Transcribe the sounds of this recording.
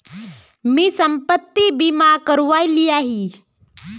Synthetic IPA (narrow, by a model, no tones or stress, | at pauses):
misəmpət̪ːibimakəɾʋaːilijaɦi